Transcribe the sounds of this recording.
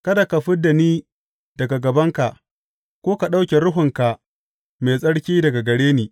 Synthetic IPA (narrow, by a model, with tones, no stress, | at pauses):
kɐ˦da˨ka˨ɸɪ˦dːa˨niː˦ | dd̥ɐ˨ɡa˨ɡɐ˨bɐ˦ŋka˨ʔ | kʷoː˦ka˨ɗa˦wkʲe˨ɾʊ˦ɦʊ˨ŋka˨ʔ | meː˨sʼɐ˦ɽkʲiː˦dɐ˨ɡa˨ɡɐ˨ɽeː˦niː˨